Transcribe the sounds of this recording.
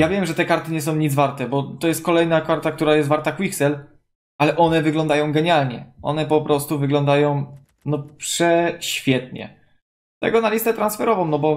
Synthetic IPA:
javʲjɛmʐɛt̪ɛkaɾt̪ɘɲɛs̬ɔ̃w̃ɲid̪zvaɾt̪ɛbɔt̪ɔjɛst̪̚kɔlɛjnakaɾt̪ak̚t̪uɾajɛst̪vaɾt̪akwiksɛl | ʔalɛʔɔnɛvɘɡlɔ̃nd̪ajɔ̃w̃ɡɛɲalɲɛ̰ʔɔ̰nɛpɔpɾʔɔst̪uvɘɡlɔnd̪ajɔ̃w̃ | nɔpʂɛɕfʲjɛt̪ɲɛ̰ | t̪ɛ̰ɡɔnalʲist̪ɛt̪ɾansfɛɾɔvɔ̃wnɔbɔ

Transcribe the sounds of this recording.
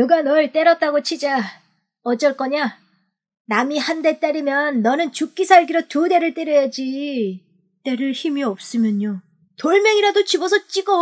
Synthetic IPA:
nɯɡanʌɭt͈e̞ɾʌt͈aɡot͡ɕʰid͡ʑa | ʌd͡ʑʌɭk͈ʌɲa | namihande̞t͈aɾimjʌnːʌnɯnt͡ɕuk͈ːisʰaɭɡiɾʌtude̞ɾɯɭt͈eɾjʌjad͡ʑi | t͈e̞ɾɯɭçimiʌp̚s͈ɯmjʌɲo | toɭmeŋiɾadot͡ɕibʌsʰʌt͡ɕ͈iɡʌ

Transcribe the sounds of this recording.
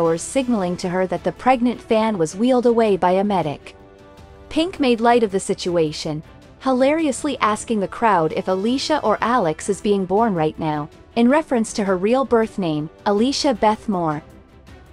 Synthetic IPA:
ə˞z̥sɪɡ̚nl̩ˠɪ̃ŋtʰɨə˞ðɨt̪̚ðɨpʰɹ̥ɛɡ̚nɨ̃ntfæ̃nwʌzwilˠdəweɪbaɪɨmɛɾɪ̰k | pʰɪ̃ŋkmeɪdˡlaɪɾʌvðɨsɪt͡ʃueɪʃɨ̃n | həlɛɹiɨsliʔæskɪ̃ŋðɨkʰɹ̥aʊɾɨ̰fəliʃɨʔə˞ʔælˠɨksɨzbiɪ̃ŋbɔɹnɹaɪtⁿnaʊ | ɨ̃nɹɛfɹɨ̃nstʰɨə˞ɹilˠbɜ˞θnẽɪ̃məliʃɨbɛθmɔɹ

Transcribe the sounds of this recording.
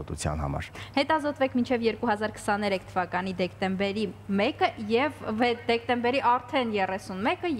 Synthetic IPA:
ɔt̪ut͡sʰjɑ̰nhɑ̰mɑ̰ɾhɛt̪ɑzɔt̪vɛkʰmint͡ʃʰɛvjɛɾkuɦɑzɑɾkʰə̥sɑnɛɾɛkʰt̪ʰəvɑkɑn̪id̪ɛkt̪ɛmbɛɾimɛkəjɛvɛd̪ɛk̚t̪ɛmbɛɾiʔɑɾt̪ʰɛnjɛrɛsunmɛkə

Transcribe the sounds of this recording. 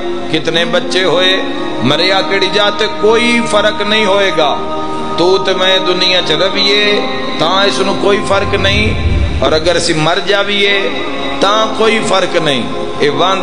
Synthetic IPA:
kɪt̪neːbətːʃeːɦoːeː | məɾejaːkeːɽiːd͡ʒaːt̪eːkoːiːpʰəɾəknəĩːɦoːeːɡaː | t̪uːt̪emɛ̃ːd̪ʊnɪjãːt͡ʃɾəʋiːeː | t̪ãːɪsnũːkoːiːpʰəɾknəĩːɔːɾəɡəɾəsĩːməɾd͡ʒaːʋiːeː | t̪ãːkoːiːpʰəɾknəḭ̃ː | eːʋãː

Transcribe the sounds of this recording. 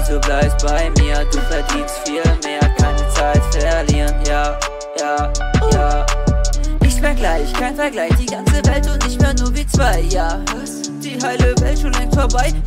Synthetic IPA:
z̥oːblaɪpst̚b̥aɪmiːɐduːfɛɐdiːnstfiːlmeːɐkʰaɪnət͡saɪtfɛɐɐliːnjaː | jaːjaː | ʔɪçtfɛɐɡlaɪçkʰaɪnfɛɐɡlaɪçd̥iːɡant͡səvɛltʊtnɪçtmeːɐnuːɐviːt͡sv̥aɪjaː | d̥iːɦaɪləvɛltʃoːnlɛŋtfoɐbaɪ

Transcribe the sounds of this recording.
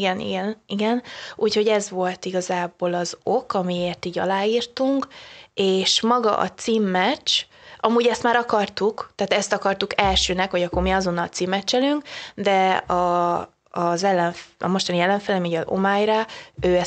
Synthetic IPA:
ɡɛnḭɡɛniɡɛnʔuːcho̞ɟɛzʋo̞lt̪iɡɒzaːboːlɒzo̞kɒmieːrt̪iːɟɒ̰laːjiːrt̪uŋkeːʃmɒɡɒ̰ʔɒ̰t̪siːmːɛt͡ʃ | ʔɒmuːɟɛst̪maːɾɒkɒrt̪ukt̪aːt̪ɛst̪ɒkɒrt̪ukɛlʃøːnɛkho̞ɟɒkːo̞rmiɒzo̞nːɒlt̪siːmːɛt͡ʃːɛlyŋkd̪ɛɒː | zɛlːɛɱfɒ̰mo̞ʃt̪ɒniɛlːɛɱfɛlɛmiɒzo̞̰maːjɾaːøːɛ

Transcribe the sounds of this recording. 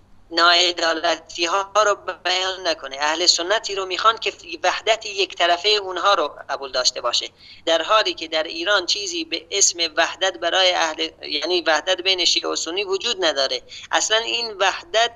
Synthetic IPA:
nɒːed̪ɒːlæt̪ʰiːɦɒɾoːbæjɒːnːækʰoneæhlesonːæt̪ʰiːɾoːmiːxɑːnd̪̚kʰʲevæhd̪æt̪ʰijekt̪ʰæɾæfejunɦɒːɾoɢæbuːld̪ɒːʃt̪e̞bɒːʃe | d̪̥æɾɦɒːliːkʰe̞d̪æɾiːɾɒːnt͡ʃʰiːziːbeʔesmevæhd̪æt̪bæɾɒːjeæhlejæniːvæhd̪æt̪̚bejneʃiːo̰sonːiːvod͡ʒuːd̪næd̪ɒːɾeʔæ̰slæniːnvæhd̪æt̪̚

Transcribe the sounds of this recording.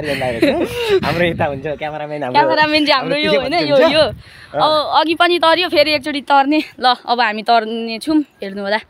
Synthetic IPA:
ʌɾiõnd̪aɾeɦamɾoit̪aɦunt͡sʰʌkjameɾamenamkjameɾameneɦamrojoɦojnʌjojo | ʌbʌːɡipʌnit̪ʌɾjopʰeɾiek̚t͡soʈit̪ʌrnelʌʌbʌɦamit̪ʌrnet͡sʰumɦernuɦola

